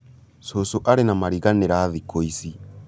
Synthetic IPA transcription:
sosoʔaɾenamaɾiɣaneɾaðikoisi

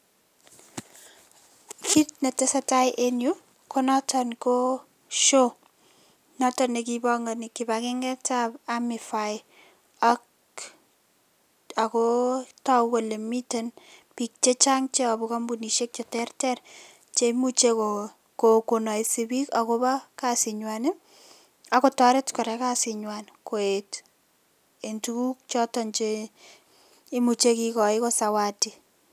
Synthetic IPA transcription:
kʰit̚netesatajʔenju | kɔnatʰanko | ʃo | natɔnekibɔŋɡanikibakɪŋɡɛtabamɪfaj | ak | akɔtawelemitenpik̚t͡ʃet͡ʃaŋt͡ʃeabukambuniʃek̚t͡ʃetɛrtɛr | t͡ʃemut͡ʃeko | kokonɔjsɪbikakobakasɪɲwanɪ | akɔtɔɾɪtkɔɾɛkasɪɲwankoet | entukuk̚t͡ʃɔtɔnt͡ʃe | mut͡ʃekikɔɪkɔsawati

